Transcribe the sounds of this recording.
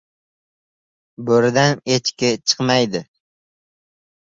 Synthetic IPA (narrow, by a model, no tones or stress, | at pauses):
bɵɾɪd̪anet͡ʃkʲɪt͡ʃʰɨ̥qmajd̪ɪ